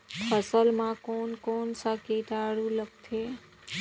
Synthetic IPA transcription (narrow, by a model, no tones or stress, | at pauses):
pʰəsəlmãkonkonsəkeʈaɽulək̚t̪ʰe